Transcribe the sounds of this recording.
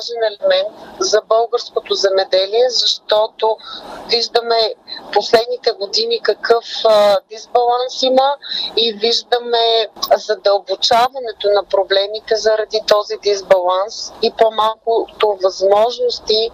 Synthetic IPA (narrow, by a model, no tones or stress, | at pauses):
aʒɛnɛlɛmɛnt̪zɐbɤlˠɡəɾskot̪ozɛmɛd̪ɛliɛzɐʃt̪ɔt̪oviʒd̪əmɛposlɛd̪nit̪ɛɡod̪inikɐkɤfd̪izbɐlˠansiməiviʒd̪əmɛzɐd̪ɐlˠbot͡ʃavɐnɛt̪onɐpɾoblɛmit̪ɛzɐɾɐd̪it̪ɔzid̪izbɐlˠansipomalˠkʊt̪ovɐzmɔʒnost̪i